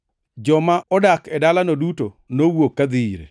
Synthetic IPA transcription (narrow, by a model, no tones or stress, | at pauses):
d͡ʒɔmaʔɔdakɛdalanoduto | nowokːad̪ɪɾḛ